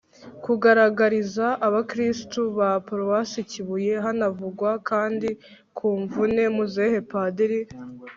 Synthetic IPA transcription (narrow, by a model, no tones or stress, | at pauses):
kuɡaɾaɡaɾizaʔːβakɾistuβapoɾowasiciβuje̞ɦanavuɡwakaːndi | kʰuːɱvune̞muzehepadeɾi